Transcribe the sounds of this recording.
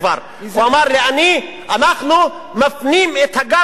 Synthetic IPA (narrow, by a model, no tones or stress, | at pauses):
va̰ɾ | oɐmaːɾːeani | ɐnaːxlu | mɐfnimet̪ʰɐɡa